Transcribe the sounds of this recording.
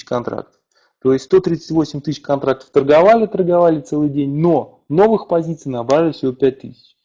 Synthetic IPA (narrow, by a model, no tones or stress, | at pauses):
kɐnt̪ɾa̰k̚t̪ə̥ | t̪o̞ɪsʲtʲst̪o̞t̪ɾʲit̪sɨtʲvo̞sʲɪmʲt̪ɨs̬ʲkɐnt̪ɾak̚t̪ə̥ft̪ərɡɐvalʲɪt̪ərɡavalʲɪt̪sɛlˠɨjdʲenʲno̞ | no̞vɨxpɐzʲit̪sɨjnɐbɾavʲɪlɪfsʲɪvʲo̞pʲæt̚ʲt̪ɨ̰sʲɪ̥t͡ɕ